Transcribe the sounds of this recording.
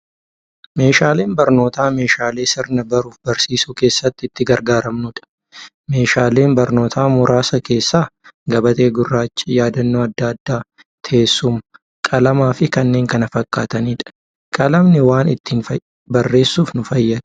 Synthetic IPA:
me̞ːʃaːle̞ːnbɐɾno̞ːt̪aːme̞ːʃaːle̞ːsɪɾnɐbɐɾuːfbɐɾsiːsuːke̞ːsːɐt̪ːɪɪt̪ːɪɡɐɾɡaːɾɐmnʊᶑɐ̥ | me̞ːʃaːle̞ːnbɐɾno̞ːt̪ʰaːmʊɾʔaːsɐke̞ːsːaːɡɐbɐt̪e̞ːɡʊrːaːt͡ʃːɪjaːd̪ɐnːoːɐd̪ːɐɐd̪ːaː | t̪ʰe̞ːsːʊm | kʼɐlɐmaːfɪkɐnːeːŋkɐnɐfɐkʼːaːt̪ɐniːᶑɐ̥ | kʼɐlɐmnɪwaːnɪt̪ːiːnfɐ | bɐrːe̞ːsːuːfnʊfɐjːɐnʊ̥

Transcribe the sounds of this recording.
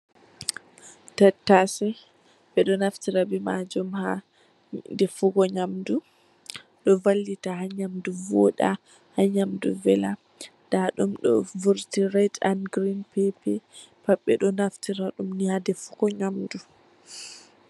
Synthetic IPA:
tatːasɛ | ɓɛɗɔnaftiɾabimad͡ʒɔmha | dɛfuɡɔɲamdu | ɗɔvalːitahaɲamduvɔɗa | haɲamduvɛla | d̥aɗumɗɔ̰vuɾtiɾata̰nɡɾinpɛpɛ | paɓɛɗɔnaftiɾaɗumnihadɛfu̥ɡɔɲamdu

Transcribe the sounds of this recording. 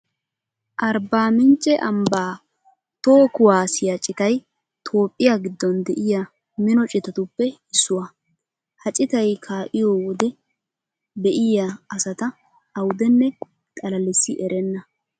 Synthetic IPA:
ʔɐɾbaːmɪnt͡ʃʼːɛʔɐmbaː | t̪oːkʊwaːsɪjat͡ʃʼːɪt̪ɐj | t̪ʰo̞ːpʼːɪjaɡɪd̪ːɔnd̪ɛʔɪja | mɪnɔt͡ʃʼɪt̪ɐt̪ʊpːɛɪsːʊwɐ | hɐt͡ʃʼɪt̪ɐjkʰaːʔɪjoːwɔd̪ɛ | bɛʔɪjaɐsɐt̪ɐː | wʊd̪ɛnːɛ | t̪ʼɐlɐlɪsːɪʔɛɾɛnːɐ

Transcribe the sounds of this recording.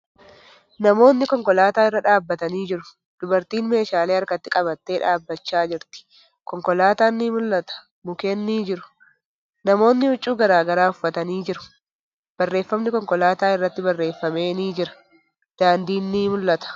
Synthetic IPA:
nɐmo̞ːnːɪkɔŋkɔlaːt̪aːɪrːɐᶑaːbːɐt̪ɐniːd͡ʒɪɾʊ̥ | d̪̥ʊbɐɾt̪iːnme̞ːʃaːleːɐɾkɐt̪ːɪkʼɐβɐt̪ːe̞ːᶑaːbːɐt͡ʃːaːd͡ʒɪɾt̪ɪ̥ | kɔŋkɔlaːt̪aːnːimʊlːɐt̪ɐ̥ | mʊkeːnːiːd͡ʒɪɾʊ̥ | nɐmo̞ːnːɪhʊt͡ʃʼːuːɡɐɾaːɡɐɾaːʊfːɐt̪ɐniːd͡ʒɪɾʊ̥ | b̥ɐrːe̞ːfːɐmnɪkɔŋkɔlaːt̪aːɪrːɐt̪ːɪbɐrːe̞ːfːɐme̞ːniːd͡ʒɪɾɐ̥ | d̪̥aːnd̪iːnːiːmʊlːɐt̪ɐ̥

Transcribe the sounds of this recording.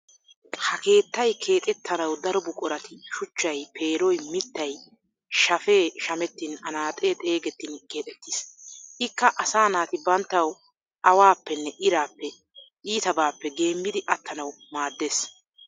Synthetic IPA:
hɐke̞ːt̪ːɐjkʰe̞ːt̪ʼɛt̪ʰːɐnɐwd̪ɐɾɔbʊkʼɔɾɐt̪ɪʃʊt͡ʃːɐjpʰe̞ːɾɔjmɪt̪ːɐj | ʃɐfe̞ːʃɐmɛt̪ːɪnɐnaːt̪ʼeːt̪ʼe̞ːɡɛt̪ːɪnke̞ːt̪ʼɛt̪ːisʔɪkːɐʔɐsaːnaːt̪ɪbɐnt̪ːɐw | ʔɐwaːpːɛnːɛʔɪɾaːpːɛ | ʔiːt̪ɐbaːpːɛɡe̞ːmːɪd̪ɪʔɐt̪ːɐnɐw | maːd̪ːeːs

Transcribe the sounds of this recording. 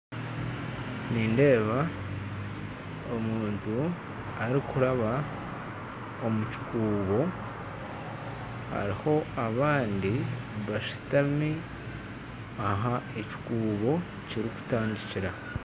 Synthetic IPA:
niːnde̞ːβa | omuːntu | aɾikuɾaβa | o̞muci̥kuːβo̞ | ha̰ɾiho̞aβaːndi | βaʃi̥tami | aɦaeci̥kuːβo̞ | ciɾiku̥taːndiciɾa

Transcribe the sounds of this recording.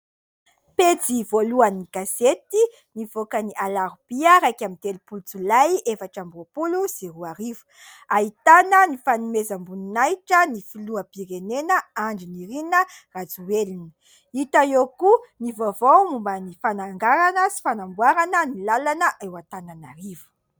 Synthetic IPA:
pet͡sivoluaniɡ̥azet̪i | nivokəniʔalaɾubiəɾajkʲamint̪elupult͡sulajefaʈ͡ʂambopuluziɾuaɾivu̥ | ait̪anənifanumezambuninajʈ͡ʂənifiluəpiɾenenəaɳɖ͡ʐiniɾinə | rat͡suwelinə̥ | it̪aokunivovomumbənifanaŋɡaɾanəsi̥fanambwaɾanənilalanəʔewat̪ananaɾivu̥

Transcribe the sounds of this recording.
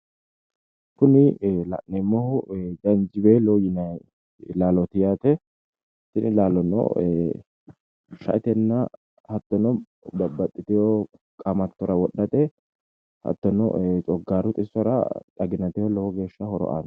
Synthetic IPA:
kʊnɪlɐ̰ʔːɛmːɔhʊd͡ʒɐnd͡ʒɪbelɔjɪnɐ | laːlɔt̪ɪjaːt̪ɛ | ht̪ːɪnɪlaːlɔnɔ̰ | ʃɐ̰ʔɪt̪ɛnːɐ | hɐt̪ːɔnɔ | bɐbːɐt̪ʼːɪt̪ɪjɔ | kʼɐmɐt̪ːɔɾɐwɔɗːɐt̪ʼɛ | hɐ̰t̪ːɔnɔ̰t͡ʃʼɔɡːaːɾʊt̪ʼɪsɔɾɐ̰ᶑ̪ɐɡɪnɐt̪ɛjɔlɔwɔɡe̞ːʃːɐhɔɾɔ̰ʔa̰ːn

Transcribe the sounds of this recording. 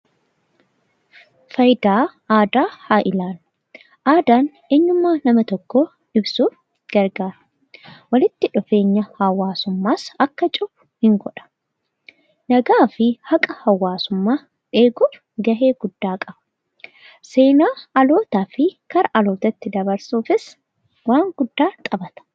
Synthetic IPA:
fɐjd̪aːʔaːd̪aːhaːʔɪlaːn | ʔaːd̪aːn | eːɲːʊmːaːnɐmɐt̪ɔkːoː | ᶑɪbsuːf | ɡ̥ɐɾɡaːɾɐ̥ | wɐlɪt̪ːɪᶑʊfe̞ːɲːɐhɐwːaːsʊmːaːsɐkːɐt͡ʃʼʊbʊ̥hɪŋɡɔᶑɐ̥ | nɐɡaːfɪhɐkʼɐhɐwːaːsʊmːaː | ᶑeːɡuːf | ɡɐɦe̞ːɡ̥ʊd̪ːaːkʼɐbɐ | se̞ːnaːɐlo̞ːt̪aːfɪkɐɾɐʔɐlo̞ːt̪ɐɪt̪ːɪd̪ɐbɐɾsuːfɪs | waːŋɡʊd̪ːaːt̪ʼɐbɐt̪ɐ̥

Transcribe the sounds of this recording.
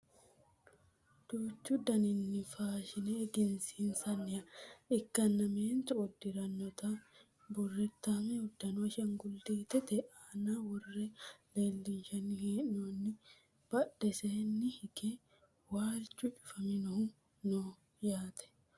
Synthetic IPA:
d̪̥uːt͡ʃːud̪ɐnɪnːɪfaːʃɪnɛːɡɪnsiːnsɐnːɪɐɪkːɐnːɐmeːnt̪ʊɔd̪ɪɾɐnːɔt̪ɐ | bʊrːɛt̪ːɐmɛʊd̪ːɐnwɐʃɐŋɡʊld̪iːt̪ɛt̪ɛʔaːnaːwɐrːɛleːlːɪnʃɐnːɪheːʔnonːɪ | b̥ɐᶑɛseːnːɪhɪɡe | waːlt͡ʃʼːut͡ʃʊ̥fɐmɪnʊhʊ | nɔ | jaːt̪ɛ̥

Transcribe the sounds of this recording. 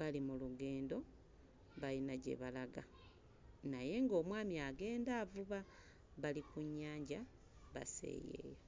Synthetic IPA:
βalimuluɡe̞ːndo̞ | βalinaɟe̞̰βalaɡa | naje̞ŋɡo̞ːmwaːmiaɡe̞ːndavuβa | βalikuɲːaːɲɟa | βa̰se̞̰jḛja

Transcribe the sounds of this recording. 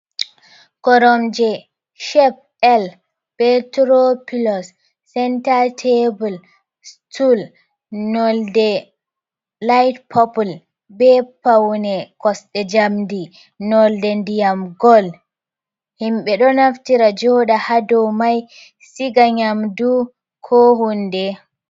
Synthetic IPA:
kɔɾɔmd͡ʒɛ | ʃɛp̚ | ɛl | pɛtɾopilɔsː | ɛntaɾtʰebul | stʰul | nɔldɛ | lajtpʰɔpul | bɛpawnɛkɔsɗɛd͡ʒamdi | nɔldɛndijamɡɔl | himɓɛɗɔnaftiɾad͡ʒɔɗahadɔmaj | siɡaɲamdu | kʰɔhundɛ

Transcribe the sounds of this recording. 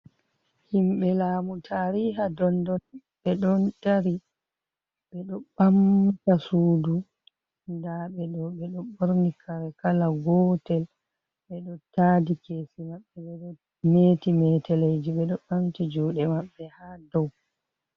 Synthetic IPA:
himɓɛlaːmutʰaɾiɦadɔndɔn | ɓɛɗɔndaɾi | ɓɛɗɔɓamtasuːdu | ndaɓɛɗɔwɓɛɗɔɓoɾnikʰaɾɛkalaɡɔtɛl | ɓɛɗɔtaːdikesimaɓːɛɓɛɗɔ | meːtimɛtɛlejd͡ʒiɓɛɗɔɓamtid͡ʒuːɗɛmaɓːɛhadɔw

